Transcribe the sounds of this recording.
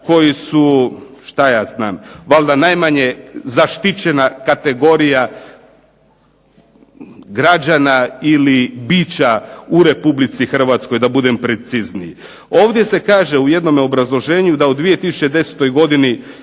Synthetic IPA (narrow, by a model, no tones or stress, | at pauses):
ko̞jisu | ʃt̪ajaːznaːmʋalˠd̪anajmaɲe̞zaʃt̪it͡ɕe̞nakat̪e̞ɡo̞ɾija | ɡɾad͡ʒanailibiːt͡ɕauɾe̞publit̪sixr̩ʋat̪sko̞jd̪abud̪e̞mpɾe̞t̪siznii | o̞ːʋd̪je̞se̞kaːʒe̞uje̞d̪no̞meo̞bɾazlˠo̞ʒeːɲud̪aod̪ʋije̞t̪isu̥t͡ɕe̞d̪e̞set̪o̞jɡo̞d̪ini